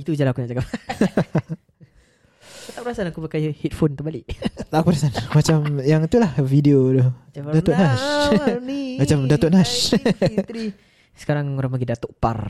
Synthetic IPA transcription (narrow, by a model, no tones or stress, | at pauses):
it̪ud͡ʒalakunaʔd͡ʒakap | kut̪aʔpəɾasanakubəkajihit̪̚fontəmbalɪʔt̪aʔkupəɾasanmat͡ʃamjaŋit̪ulahfideodɔhdat̪ʊʔnaʃ | mat͡ʃamdat̪oʔ̚nast̪ɾi | sə̥kaɾaŋoɾaŋmaɡidat̪oʔpa̰r